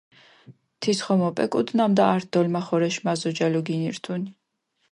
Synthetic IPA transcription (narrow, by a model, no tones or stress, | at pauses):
t̪ʰisχɔmɔpʼɛ̰kʼud̪namd̪aaːɾt̪̚ʰd̪ɔlmaχɔɾɛʃmazɔd͡ʒalɔɡiniɾt̪ʰuni